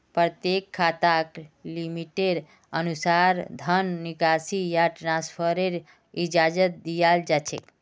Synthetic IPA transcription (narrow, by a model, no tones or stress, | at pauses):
pɾət̪jekʰːat̪aklimiʈeɖ | ənusaɾd̪ʱənːikasijaʈɾaspʰəɾeɾ | id͡ʒad͡ʒət̪̚d̪ijald͡ʒat͡ʃʰḛk